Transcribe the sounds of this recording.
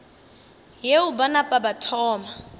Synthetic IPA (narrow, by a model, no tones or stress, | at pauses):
jeubanapʼabatʰɔːma